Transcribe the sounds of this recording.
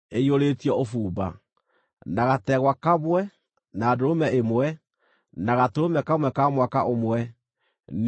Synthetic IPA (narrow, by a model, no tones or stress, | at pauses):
eioɾetjɔofuːba̰ | naɣatɛɣwakaβwɛ | naːdoɾomɛemwɛ | naɣatoomɛkamwɛkamwakaʔomwɛ | n